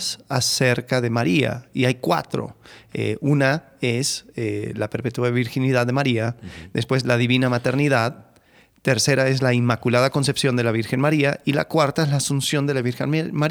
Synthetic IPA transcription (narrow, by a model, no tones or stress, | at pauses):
sase̞ɾkaðe̞maɾia̰iajkwa̰t̪ɾo̰ḛʔuna | e̞selape̞ɾpe̞t̪wuaðeβiɾxiniðaððːe̞maɾiaðe̞spwe̞zlaðiβinamat̪e̞ɾniðað | t̪e̞ɾse̞ɾae̞zlaimakulaðako̞ns̬e̞psjo̞nd̪e̞laβ̞iɾxe̞nmaɾiaila̰kwaɾt̪aezlaːsunsjo̞nd̪e̞laβiɾxenma